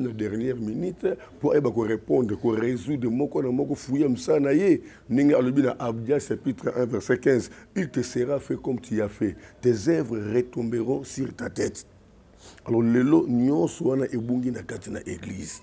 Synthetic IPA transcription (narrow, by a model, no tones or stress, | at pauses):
nadɛʁnjɛʁminit | poajebakoʁepɔ̃ndʁekoʁezudʁemɔkɔnamɔkɔfujamisalanaje | ndeŋɡealobinaʔabdasʃapitʁəʔɛ̃vɛʁsɛkɛ̃zilteseʁafɛkɔmtʰijafɛtezɛvʁəʁetɔ̃mbeʁɔ̃siʁtatɛt | alɔʁlelonɔ̃sɔwanaʔebuŋɡinakatina̰ʔeɡlḭz